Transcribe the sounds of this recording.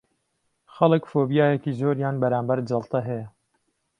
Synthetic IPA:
xɐlɨkfoːbijaːjɛkiːzoːɾjaːnbɐɾaːmbɐɾd͡ʒɐlˠt̪ɛɦɛjɛ

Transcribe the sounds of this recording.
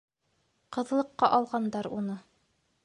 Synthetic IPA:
qɤ̆ðɤ̆lˠɤ̆qːɑʔɒlˠʁɑnd̪ɑɾunɤ

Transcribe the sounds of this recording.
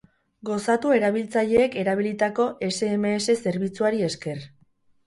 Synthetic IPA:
ɡo̞sat̪ue̞ɾaβ̞ilt͡saʎe̞ːke̞ɾaβ̞ilit̪ako̞ʔe̞se̞ːmeːse̞se̞ɾβit͡suaɾie̞ske̞r

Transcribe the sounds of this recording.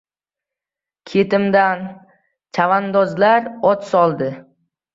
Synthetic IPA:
kʲʰet̪ɪmd̪an | t͡ʃʰavand̪ɒzlaɾɒt̪sɒlˠd̪ɪ

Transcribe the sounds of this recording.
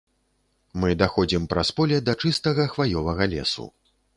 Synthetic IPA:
mɨd̪axɔd͡zʲimpɾaspɔlʲɛd̪ɐt͡ʂɨst̪ɐɣɐxvajʲɔvɐɣɐlʲɛ̰sṵ

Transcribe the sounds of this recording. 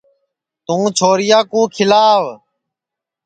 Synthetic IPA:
t̪ũːt͡ʃʰoːɾɪjaːkũːkʰɪlaːʋ

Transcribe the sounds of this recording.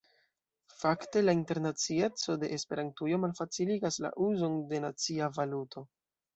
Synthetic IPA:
fakte̞lainte̞ɾnat͡sie̞t͡so̞de̞ʔespeɾantujo̞malfat͡siliɡasla̰ʔuzo̞nde̞nat͡siavalutʰo̞

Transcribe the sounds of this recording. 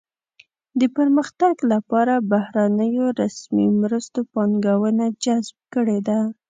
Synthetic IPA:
d̪əpəɾməxt̪aɡlapɑɾabahɾanəjoɾasmimɾəst̪opɑŋɡawənad͡ʒazb̚kəɽed̪a

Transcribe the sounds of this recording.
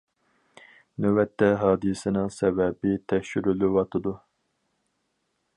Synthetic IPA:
nøwɛt̪ʰːɛɦɑːd̪ɨsɪnɨŋsɛvɛbɪt̪ʰɛʃyɾylywɑt̪ʰɨd̪u

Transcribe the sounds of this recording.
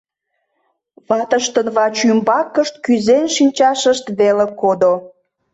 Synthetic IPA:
βɑt̪əʃt̪ənβɑt͡ɕymbɑkːəʃt̪̚kyzenʃinʲt͡ɕɑʃəʃt̪βelekod̪o

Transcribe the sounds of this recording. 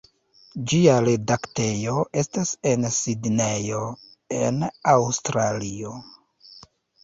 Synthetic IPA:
d͡ʒiaɾe̞dakte̞jo̞ʔe̞stase̞nsidne̞jo̞ | e̞̰nawstɾalio̞

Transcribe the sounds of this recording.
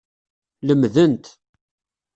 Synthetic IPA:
ləmðənt̪

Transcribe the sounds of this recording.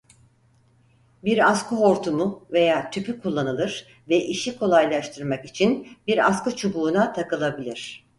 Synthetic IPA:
biɾaskʰuɦo̞ɾt̪ʰumuve̞jaːt̪ʰypykʰulˠːanɯlˠɯɾ | vɛʔiʃikʰo̞lˠajlˠaʃt̪ʰɯɾmakit͡ʃʰinbiɾa̰skut͡ʃʰubuːnat̪ʰakɯlˠabilʲiɾ̥

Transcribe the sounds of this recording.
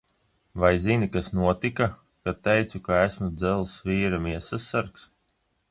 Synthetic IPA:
vajzinikasnuɔt̪ika | kat̪ːɛjt̪sukaæsmud̪zɛlˠsviːɾamiɛsasːaɾks

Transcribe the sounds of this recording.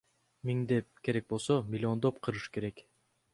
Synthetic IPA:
mʲiŋd̪ep̚ke̞ɾek̚bo̞lˠsomʲɪlʲːɪo̞nd̪opqʰɯɾɯʃke̞ɾe̞k

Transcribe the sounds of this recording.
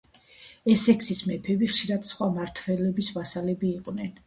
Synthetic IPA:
ɛsɛksismɛpʰɛbiχʃiɾad̪̥sχwamaɾt̪ʰvɛlɛbismasalɛbiːqʼnɛn

